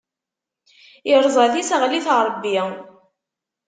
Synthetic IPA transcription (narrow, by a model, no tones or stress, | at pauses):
əɾˤzˤɑðisəʁliθɾˤəbːi